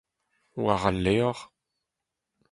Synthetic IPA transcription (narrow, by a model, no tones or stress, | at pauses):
waʁalːeɔʁ